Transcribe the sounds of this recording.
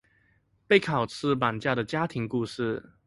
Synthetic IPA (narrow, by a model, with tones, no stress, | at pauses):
pe˥˩ɪkʰɑ˨˩ʊt͡sʰɹ̩˥˧pa˨˩nt͡ɕja˥˩d̪ə˩t͡ɕja˥t̪ʰi˧˥ŋku˥˧ʂɻ̩˥˩